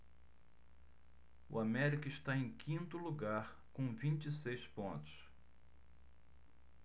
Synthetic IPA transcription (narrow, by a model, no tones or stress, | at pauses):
ʊ̰amɛɾikɐɪʃt̪aẽj̃kʰĩnt̪ʊluɡaɾ | kõvĩnt͡ʃisejspõnt̪ʊ̥s